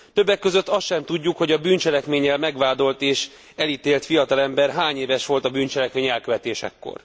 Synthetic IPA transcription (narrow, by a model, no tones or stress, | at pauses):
t̪øbːɛkːø̞zøt̪ːɒsʃɛmt̪uɟːukho̞ɟɒbyːnt͡ʃɛlɛkmeːɲːɛlmɛɡʋaːd̪o̞lt̪eːʃ | ɛlit̪eːlt̪fijɒt̪ɒlɛmbɛrɦaːɲeːvɛʃʋo̞lt̪ɒbyːnt͡ʃɛlɛkmeːɲɛlkøvɛt̪eːʃɛ̰kːo̰r